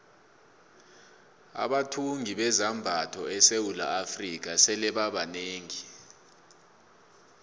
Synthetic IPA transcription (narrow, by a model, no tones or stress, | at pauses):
a̰ɓatʰuŋʱiɓɛzambʱatʰɔɛsewula̰afrik̬asɛlɛɓaɓaneːŋi